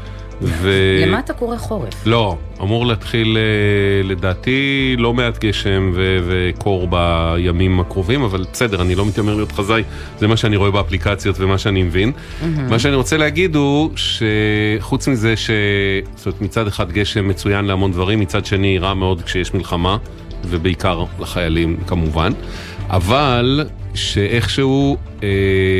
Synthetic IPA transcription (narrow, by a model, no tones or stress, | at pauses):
velemat̪akoʁeχoʁeflo̞ | amuʁleat̪χilele̞daːtilo̞meatɡe̞ʃe̞mvevekʰo̞ʁbajamimakʁo̞vimavalbese̞deʁanilo̞mit̪omelijo̞tχazaj | zemaʃeaniʁo̞e̞beaplikat͡sjo̞tvemaʃeanimevin | maʃ̬eaniʁo̞t͡seleaɡid̪uʃe̞χut͡smizeʃe̞stomet̪mit͡sad̪eχad̪ɡe̞ʃemːe̞t͡sujanleamo̞ndvaʁimːit͡sad̪ʃe̞niʁame̞o̞d̪kʃejeʃmilχama | ve̞beikaʁlaχajalimkamuvan | a̰valʃe̞ʔe̞χʃeu | e